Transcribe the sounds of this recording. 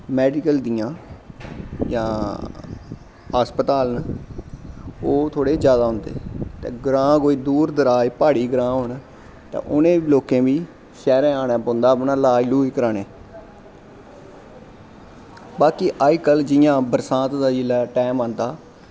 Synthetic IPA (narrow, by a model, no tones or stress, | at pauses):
mɛːɖɪkəld̪ijãː | jãː | aːspət̪aːln | oːt̪ʰoːɽeːd͡ʒjaːd̪aːɦʊ̃nd̪ḛːt̪ḛːɡɾãːkoːiːd̪uːɾd̪əɾaːpaːɽiːɡɾãːɦoːn | t̪ḛ̃ːʔʊnẽːloːkẽːbiː | ʃɛːɾẽːaːnẽːpõːnd̪aːpnaːlaːiluːiːkəɾaːneː | baːkiːʔaːjkəld͡ʒɪjãːbəɾsãːt̪d̪aːd͡ʒɪlaːʈɛːmãːnd̪aː